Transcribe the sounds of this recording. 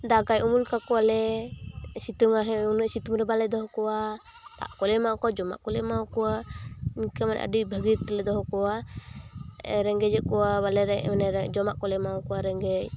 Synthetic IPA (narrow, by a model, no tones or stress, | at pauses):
d̪aɡajumulkakɔalɛ | sit̪uŋaɦɛ̃unɛʔsit̪umɾɛbalɛd̪ɔɦɔkɔwa | t̪a̰ʔkɔlɛmakɔwad͡ʒɔma̰ʔkɔlɛmawkɔwainkamanɛ̰ʔa̰ɖibʱəɡit̪lɛd̪ɔɦɔkɔwa | ɛɾɛŋɡɛd͡ʒɛʔkɔwabalɛɾɛɛnɛd͡ʒɔmaʔkɔlɛmawɔkɔwaɾɛŋɡɛc